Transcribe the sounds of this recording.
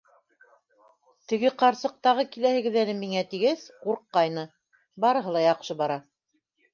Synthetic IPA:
t̪ɘ̆ɡɘqɑɾsɤ̆q̚t̪ɑʁɤkilæhɘ̆ɡɘ̆ðælɘmiŋæt̪iɡæsquɾqːɑjnɤ | bɑɾɤ̆ɦɤ̆lˠɑjɑqʃɤbɑɾɑ

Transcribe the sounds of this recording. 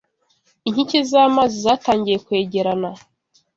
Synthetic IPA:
iɲ̥hicezaːmaːzizaːtaːɲɟije̞kwe̞ːɟe̞ɾana

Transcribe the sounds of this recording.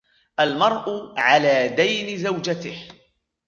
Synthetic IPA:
ʔalmɑɾˤʔʊʕalaːd̪ajnɪzawd͡ʒat̪ɪh

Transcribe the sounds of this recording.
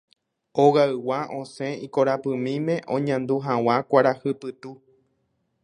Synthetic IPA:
oɣaɨwaʔõsẽikoɾapɨmĩmẽ̞ʔõ̞ɲãnd̪uɦãw̃akʷaɾahɨpɨt̪u

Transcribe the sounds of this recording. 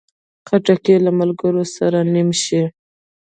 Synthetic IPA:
qaʈakelamalɡəɾosaɾanimʃi

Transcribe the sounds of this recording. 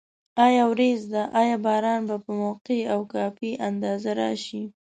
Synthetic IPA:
ɑjɑwɾezd̪aʔɑjɑbɑɾɑnbapəmawqeawkɑfiʔand̪ɑzaɾɑ̰ʃi

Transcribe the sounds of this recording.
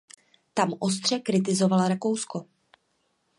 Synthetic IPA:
t̪amʔo̞s̬t̪r̝̥ɛkɾɪt̪ɪzo̞valaɾako̞wsko̞

